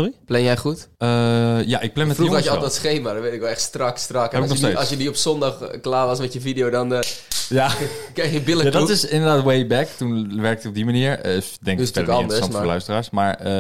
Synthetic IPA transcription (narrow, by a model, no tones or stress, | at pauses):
oriplɛnjɛjχutəjaʔɪk̚plɛnmɛtfuɔjəɔldɔtsχejmadɔnʋejtɪkʋɛlˠɛxtstrɑkstrɑkɛbɪknɔsːɑlsjədiɔpsondɑχklaːʋɑsmɛtjəfideowdɔnjakejxjəbɪləjadɔutɪsɪndədaːtwejbɛktunʋɛɹk̚tɔb̚dimaniəɹɪsdɛŋkstɛkɑnɪndrəssɑntfəlœ̰ɥstəraːɹsmaːɹə